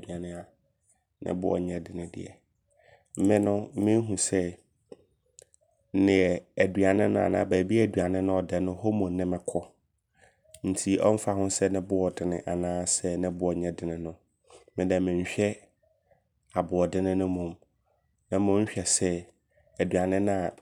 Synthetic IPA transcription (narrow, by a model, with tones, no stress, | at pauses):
du˨a˨nɪ̃˦a˦ | nɪ̰̃˦bʊ̰˦ɔ̰˨ɲɛ̃˨dɪ˨nɪ̃˨dɪ̰˨ɛ̰˨ | m̩˦mɪ̃˦nʊ̃˦mɪ̃˦ɦũ˨sɛ˦ | nɪ̃˨ɛ˨æ˨dɥa˨nɪ̃˦nʊ̃˦a̰˨nã̰ː˨˦bæː˨bi˦æ˨dɥa˨nɪ̃˦nʊ̃˦ɔ˨dɛ˨nʊ̃˦ho˦mʊ̃˨nnɪ̃˦mɪ̃˨kʰɔ˦ | n̩˨tʰi˦ɔ˦m̩˦fa˨hʊ̃˦sɛ˦nɪ̃˦bʊ˦ɔ˨dɪ˦nɪ̃˨ʔa˨nãː˦sɛ˦nɪ̃˦bʊ˦ɔ˨ɲɛ̃˦dɪ˨nɪ̃˨nʊ̃˦ | mɪ̃˦dɛ̃˨mɪ̃˨ɲ̩˨ɕᶣɛ˦ | a˨bʊ˨ɔ˨dɪ˦nɪ̃˦nʊ̃˦mʊ̃˨m | nã˨mʊ̃˦ɕᶣɛ˨sɛ˦ | æ˨dɥa˨nɪ̃˦nʊ̃˦a˨